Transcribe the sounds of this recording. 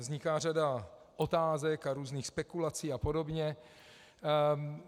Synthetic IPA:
zɲɪkaːr̝ada | ʔo̞t̪aːzɛkaɾuːzniːxspɛkulat͡siːapo̞do̞bɲɛ

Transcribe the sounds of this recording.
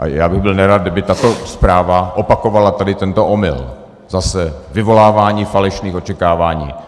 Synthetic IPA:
ʔa̰jaːbɪɣbɪlnɛɾad̪̚dɪbɪt̪at̪ospɾaːvaʔopako̞valat̪adɪt̪ɛnt̪oʔomɪ̰l | zasɛvɪvo̞laːvaːɲiːfalɛʃniːxot͡ʃɛkaːvaːɲḭː

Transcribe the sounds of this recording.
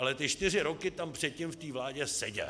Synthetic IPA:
alɛt̪ɪt͡ʃt̪ɪr̝ɪɾokɪt̪ampr̝̥ɛt̪̚cɪmft̪iːvlaːɟɛsɛɟɛ̰

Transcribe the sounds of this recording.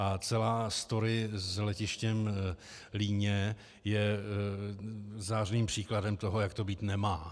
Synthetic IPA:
at͡sɛlaːst̪o̞ɾɪzlɛcɪʃcɛm | liːɲɛ | jɛ | zaːrniːmpr̝̥iːkladɛmt̪o̞ɦo̞jak̚t̪o̞biːt̪nɛmaː

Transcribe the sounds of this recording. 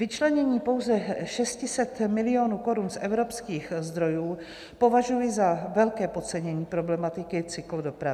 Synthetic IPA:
vɪt͡ʃlɛɲɛɲiːpo̞wzɛʃɛscɪsɛt̪mɪlɪo̞ːnuːko̞ɾunsʔɛvɾo̞pskiːxzd̪ɾo̞juː | po̞vaʒujɪzavɛlkɛːpot͡sɛɲɛɲiːpɾo̞blɛmat̪ɪkɪt͡sɪklodo̞pɾavɪ

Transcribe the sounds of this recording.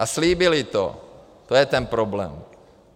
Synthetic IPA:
asliːbɪlit̪o̰ | t̪ojɛt̪ɛnpɾoblɛ̰ːm

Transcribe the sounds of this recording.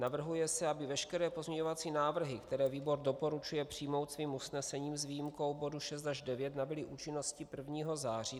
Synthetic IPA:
navr̩ɦujɛsɛabɪvɛʃkɛɾɛːpo̞zmɲɛɲo̞vat͡siːnaːvr̩ɦɪkt̪ɛɾɛːviːbo̞ɾdo̞po̞ɾut͡ʃujɛpr̝̥iːmo̞wt̪sviːmusnɛsɛɲiːmzviːjimko̞wbo̞duʃɛs̬t̪aʒdɛvjɛt̪nabɪlɪʔuːt͡ʃɪno̞scɪpr̩vɲiːɦo̞zaːr̝iː

